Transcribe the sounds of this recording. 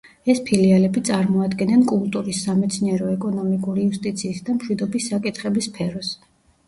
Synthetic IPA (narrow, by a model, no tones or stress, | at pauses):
ɛspʰilialɛbit̪sʼaɾmɔad̪ɡɛnɛnkʼulˠt̪ʼuɾisːamɛt̪sʰniɛɾɔɛkʼɔnɔmikʼuɾiust̪ʼit̪sʰiːsd̪amʃwid̪ɔbisːakʼit̪ʰχɛbispʰɛɾɔs